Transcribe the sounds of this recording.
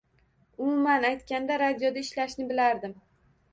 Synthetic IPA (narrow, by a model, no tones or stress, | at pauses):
ʊmʊmanajt̪kʲand̪aɾad̪ijod̪aɪʃlaʃnɪbɪlaɾd̪ɪm